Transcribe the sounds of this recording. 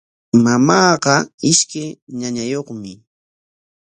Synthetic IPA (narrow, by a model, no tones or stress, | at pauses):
mamɑːɢɑɪʃkajɲaɲajoχmɪ